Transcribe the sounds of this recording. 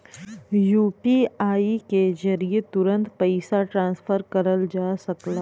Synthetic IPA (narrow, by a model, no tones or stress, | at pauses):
juːpiaːikezɐɾiet̪ʊɾə̃nt̪pɐɪsaʈɾãːnsfʰəɾkɐɾəld͡ʒaːsɐklaː